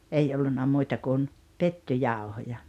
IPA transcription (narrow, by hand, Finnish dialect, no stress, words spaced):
ei olːunːɑ muitɑ kun petːyjɑˑohojɑ